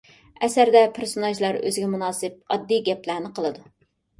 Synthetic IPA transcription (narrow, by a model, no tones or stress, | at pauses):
ɛsæɾd̪ɛpʰeɾsonɑʒlˠɑɾø̰zɪɡʲɛmunɑːsɨp̚ɑd̪ːijɡʲɛplæɾnɪqʰəlˠɨd̪u